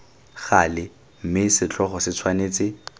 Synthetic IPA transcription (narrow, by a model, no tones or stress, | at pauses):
χalɪ | m̩mɪsɪt͡ɬɔχɔsɪt͡sʰwaneːt͡sʼɪ